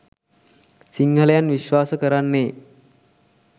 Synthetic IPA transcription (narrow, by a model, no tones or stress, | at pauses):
siŋɡʱələjanʋiʃʋaːsəkəɾanːeː